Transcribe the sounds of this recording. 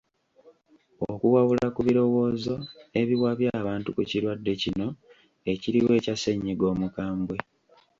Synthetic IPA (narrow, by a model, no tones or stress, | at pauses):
okuwaβulakuβiɾo̞wo̞ːzo̞e̞βiβwaβjaːβaːntukuciɾwadːe̞cino̞ | eciɾiwe̞ːcase̞ɲːiɡo̞ːmukaːmbwe